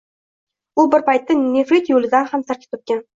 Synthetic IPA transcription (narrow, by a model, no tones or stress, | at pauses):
ʊbɪɾpʰajt̪ːɪnefɾit̪jolˠɪd̪anhamsaɾk̪ʰʲɪ̥t̪ʰop̪̚kʲan